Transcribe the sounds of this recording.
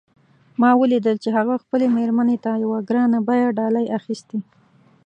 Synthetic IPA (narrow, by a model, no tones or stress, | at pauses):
mɑwəlid̪əlt͡ʃeɦaɣaxpəlemeɾmanet̪ajawaɡɾɑnabajaɖɑlajʔaxist̪i